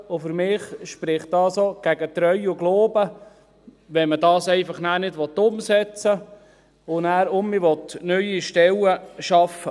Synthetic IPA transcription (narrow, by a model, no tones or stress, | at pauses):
ʊfʏɾmɪːχʃpɾɪχt̚dɑːsoɡ̥æɡət̪ɾœʏʊɡloːbə | ʋɛmədɑːsɛɪfɑχnæːɾnɪdʋɔt̪ːʊmsɛt͡sə | ʊnæːɾʊmːɪʋɔt̪nœʏiʃtɛləʃɑfə